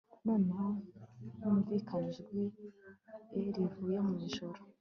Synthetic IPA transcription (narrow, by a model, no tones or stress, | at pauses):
nonajuːmviːkʰaniʒɡwi | eɾivuːjemumiʒoɾo